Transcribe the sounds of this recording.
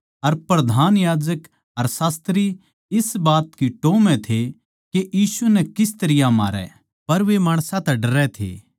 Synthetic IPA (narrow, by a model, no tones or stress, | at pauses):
ɐɾpɾɐd̪ʱaːnjaːd͡ʒək | ɐɾsaːst̪ɾi | ɪsbaːt̪kiʈoːmɛ̃t̪ʰe | kejiːsunɛkɪst̪ɐɾɪjãma̰ːɾɛ̰ | pɐɾʋemaːɽ̃sãt̪ɛɖɐɾɛt̪ʰḛː